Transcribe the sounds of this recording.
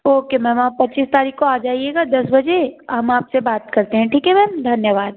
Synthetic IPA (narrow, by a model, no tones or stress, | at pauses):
oːkemɛ̃ːmaːpɐtːt͡ʃiːst̪aːɾiːkkoaːd͡ʒaːieɡad̪ɐsbɐd͡ʒeɦɐmaːpsebaːt̪kɐɾt̪eɦɛ̃ʈʰiːkɦɛmɛːmd̪ʱɐnjəʋaːd̪̚